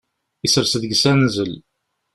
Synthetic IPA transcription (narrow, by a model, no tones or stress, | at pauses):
isəɾsəðɡsænzəl